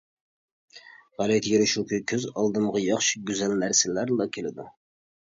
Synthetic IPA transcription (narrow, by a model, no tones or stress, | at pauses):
ʁælˠɛt̪ʰjeɾɪʃukʲʰikʲʰøzɑlˠd̪ɨmʁɑjɑχʃi̥ɡʲyzælnæɾsɪlæɾlˠɑkʲʰelɪd̪ṵ